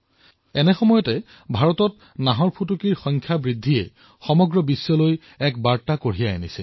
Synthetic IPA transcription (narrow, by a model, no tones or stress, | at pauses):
ɛnɛxɔmɔjɔtɛ | bʱaɹɔtɔt | naɦɔɹpʰut̬ukiɹxɔŋkʰjabɹidʱːiɛ̰ | xɔmɔɡɹɔbisːɔloj | ɛk̚baɹtakoɹ̤ijaenisɛ